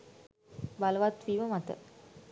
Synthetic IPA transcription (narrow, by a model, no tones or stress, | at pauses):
baləʋat̪ʋiʋəmat̪ə̰